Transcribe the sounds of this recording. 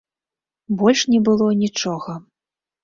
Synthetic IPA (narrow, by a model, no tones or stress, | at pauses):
bɔlʲʂnʲɛbɨlˠɔnʲit͡ʂɔɣɐ